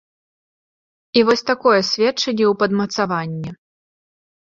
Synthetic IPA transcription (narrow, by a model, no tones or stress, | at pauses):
ivɔsʲt̪akɔjɛsʲvʲɛtt͡ʂːɐnʲːɛwpɐd̪mɐt̪savanʲːɛ